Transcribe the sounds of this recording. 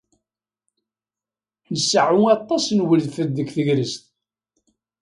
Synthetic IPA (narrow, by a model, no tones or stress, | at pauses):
nəsəʕʊɑt̪ˤːɑsnwəlfəd̪əkθəʝɾəst̪